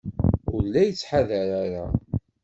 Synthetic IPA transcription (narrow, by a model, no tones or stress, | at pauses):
ʊɾlːæjət͡sːħaðəɾaɾa